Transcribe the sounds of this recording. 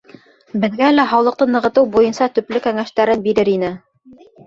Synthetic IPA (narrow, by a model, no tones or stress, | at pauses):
bɘ̆ðɡælæɦɑwlˠɤ̆q̚t̪ɤnɤ̆ʁɤ̆t̪ɤwbujɤnsɑt̪ɵ̆plɵkæŋæʃt̪æɾɘnbiɾɘɾinɘ